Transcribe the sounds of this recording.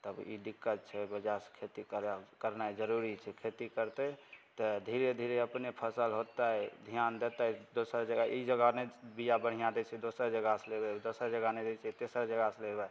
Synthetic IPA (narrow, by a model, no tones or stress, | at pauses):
t̪əbḭɖikːət̪̚t͡ʃʰɛbəd͡ʒaskʰet̪ikəɾkəɾnaɛd͡ʒəɾuɾit͡ʃʰɛkʰet̪ikəɾt̪et̪əd̪ʱiɾed̪ʱiɾeəpnepʰəsəlɦot̪aɦɛd̪ʱijand̪et̪aɛd̪osəɾd͡ʒəɡaʔid͡ʒəɡanebijabəɽ̤ijãd̪et͡ʃʰɛd̪osəɾd͡ʒəɡaselebɛd̪osəɾd͡ʒəɡaned̪et͡ʃʰɛt̪esəɾd͡ʒəɡaselebɛ